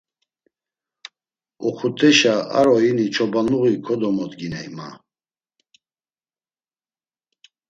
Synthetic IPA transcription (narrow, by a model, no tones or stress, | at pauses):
uχut̪ʰɛʃaa̰ɾɔinit͡ʃʰɔbanuɣikʰɔd̪ɔmɔt̪ɡinɛjma̰